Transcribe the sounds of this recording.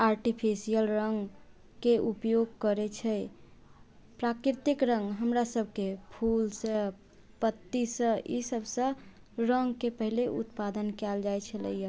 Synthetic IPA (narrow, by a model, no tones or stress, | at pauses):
aɾʈipʰisijəlɾəŋɡ | keʔupjoɡ̚kəɾɛt͡ʃʰɛ | pɾakɾɪɾt̪ikɾəŋɡɦəmɾasəbʱkepʰulsə̃ | pət̪ːisə̃ḭsəbʱsə̃ | ɾəŋɡkepəɦileʔṵt̪pad̪ənkɛld͡ʒajt͡ʃʰələ̰ija